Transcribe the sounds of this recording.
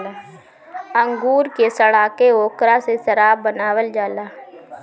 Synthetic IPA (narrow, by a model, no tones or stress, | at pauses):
la | ə̃ŋɡuːɾkesəɽaːkeoːkɾasesəɾaːbənaːwəld͡ʒaːlaː